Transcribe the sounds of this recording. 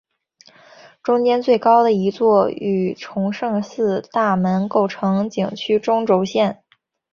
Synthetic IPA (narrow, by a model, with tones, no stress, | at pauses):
ʈ͡ʂʊ˥ŋt͡ɕjɛ˥nt͡swe˥˩ɪkɑ˥ʊd̪ə˨i˧˥t͡swɔ˥˩y˨˩ʈ͡ʂʰʊ˧˥ŋʂɤ˥˧ŋsɹ̩˥˧t̪a˥˩mə˧˥nko˥˩ʊʈ͡ʂʰɤ˧˥ŋt͡ɕi˨˩ŋt͡ɕʰy˥ʈ͡ʂʊ˥ŋʈ͡ʂo˧˥ʊɕjɛ˥˩n